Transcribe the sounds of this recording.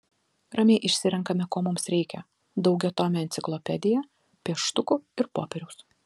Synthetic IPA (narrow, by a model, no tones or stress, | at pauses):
ɾɐmʲeɪʔɪʃʲsʲɪɾʲɛŋkɐmʲɛkoːmʊmsɾʲɛɪkʲɛ | d̪ɒʊɡʲɛt̪oːmʲɛɛnt̪sʲɪklˠɔpʲɛd̪ʲɪjɛ | pʲiɛʃt̪ʊkʊɪɾpoːpʲɛɾʲʊs